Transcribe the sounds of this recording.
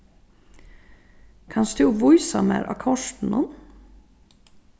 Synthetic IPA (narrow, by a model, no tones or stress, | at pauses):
kʰɑnsd̪̥ʉːʋuʏsɑ̰mæ̰ːɾʔɑ̰kʰɔʂtn̩ɔn